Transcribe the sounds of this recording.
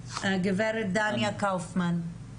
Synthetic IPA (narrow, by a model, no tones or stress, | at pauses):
ɡiveɾet̚d̪anjakawfman